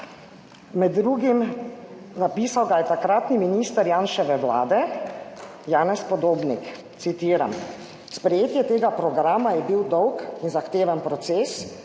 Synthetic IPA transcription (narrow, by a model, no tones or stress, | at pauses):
mɛd̪ːɾuːɡim | napiːsawɡajɛt̪akɾaːt̪niminiːst̪əɾjaːnʃɛʋɛʋla̰ːd̪ɛ | jaːnɛspɔd̪oːbnik | t̪sit̪iːɾam | spɾɛjeːt̪jɛt̪eːɡapɾɔɡɾaːmajɛbiwd̪ɔwkinzaxt̪eːʋənpɾɔt̪seːs